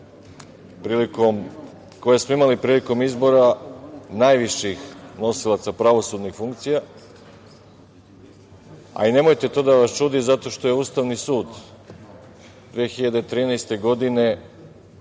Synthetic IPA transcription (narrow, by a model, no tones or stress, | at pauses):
pɾiːliko̞m | ko̞jesmo̞imalipɾiːliko̞mizbo̞ɾanajʋiʃixno̞silˠat̪sapɾaʋo̞suːd̪nixfuŋkt̪sija | a̰ine̞mo̞jt̪e̞t̪o̞ːd̪aʋast͡ʃuːd̪izat̪o̞ʃt̪o̞je̞uːst̪aʋnisuːd̪ | d̪ʋexiʎad̪e̞t̪ɾiːnɛjst̪e̞ɡo̞d̪ine̞